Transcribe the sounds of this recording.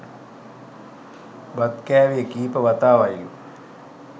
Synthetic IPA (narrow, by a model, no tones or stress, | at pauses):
bad̪kæːʋijəkiːpəʋat̪aːʋajlu